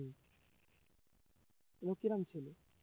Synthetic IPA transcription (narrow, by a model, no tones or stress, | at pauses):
elokiɾamt͡ɕʰele